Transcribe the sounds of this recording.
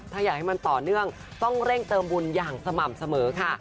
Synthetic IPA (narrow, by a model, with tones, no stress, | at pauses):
t̪ʰaː˥˩jaː˨˩ha˥˩jma˧nt̪ɔː˨˩nɯ˥˩əŋ | t̪ɔ˥˩ŋɾe˥˩ŋt̪ɤː˧mbu˧njaː˨˩ŋsa˧ma˨˩m̚sa˧mɤː˩˦kʰa˥˩